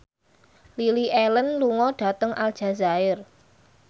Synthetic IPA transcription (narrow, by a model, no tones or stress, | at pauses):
liliʔɛlənluŋɔɖ̥a̤t̪əŋʔald̥ʒ̥a̤zaɪr